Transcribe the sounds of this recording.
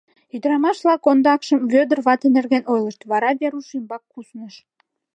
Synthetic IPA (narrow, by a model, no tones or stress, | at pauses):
yd̪əɾɑmɑʃβlɑkond̪ɑkʃəmβød̪ərβɑt̪enerɣenojləʃt̪βɑɾɑβeɾuʃimbɑkːusnəʃ